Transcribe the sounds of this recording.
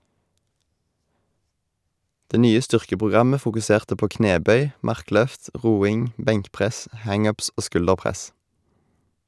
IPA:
ˈdeː ˈnyːə ˈstʏʁkəpʁʊˌɡʁɑmə fʊkʉˈseːʁtə ˈpoː ˈkneːˌbœʏ ˈmɑʁˌklœft ˈʁuːɪŋ ˈbɛŋkˌpʁɛs ˈhɑŋ ˈʉːps ˈoː ˈskʉldəʁˌpʁɛs

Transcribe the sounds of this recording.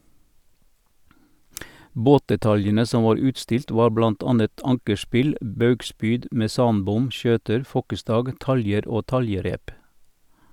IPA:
ˈboːtdɛˌtɑljənə ˈsɔ ˈʋɑːɾ ˈʉːtˌstɪlt ˈʋɑː ˈblɑnt ˈɑːnət ˈɑŋkəˌspɪl ˈbɑʉɡˌspyːd mɛˈsɑːnˌbʊm ˈʃøːtəɾ ˈfɔkəˌstɑːɡ ˈtɑljəɾ ˈoː ˈtɑljəˌɾeːp

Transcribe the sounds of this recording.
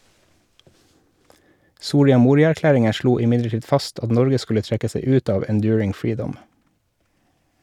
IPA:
ˈsuːɾɪɑ ˈmuːɾɪɑæɾˌklæːɾɪŋə ˈʃluː ɪˈmɪdləˌʈiːd ˈfɑst ˈɑt ˈnɔɾɡə ˈskʉlə ˈtɾɛkə ˈseɪ ˈʉːt ˈɑːʋ ɛnˈdjʉːɹɪŋ ˈfɹiːdɔm

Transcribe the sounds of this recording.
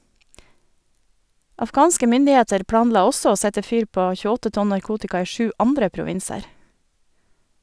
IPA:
ɑfˈɡɑːnskə ˈmʏndɪˌeːtəɾ ˈpɽɑːnˌlɑː ˈɔsɔ ˈoː ˈsɛtə ˈfyːɾ ˈpoː çʉˈɔtə ˈtɔn nɑɾˈkuːtɪkɑ ˈiː ˈʃʉː ˈʔɑndɾə pɾʊˈʋɪnsəɾ

